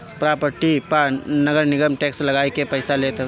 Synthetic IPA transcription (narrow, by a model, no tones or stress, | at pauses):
pɾaːpəɾʈipanɐɡəɾnɪɡəmʈeːkslɐɡaːekepɐɪsaleːt̪e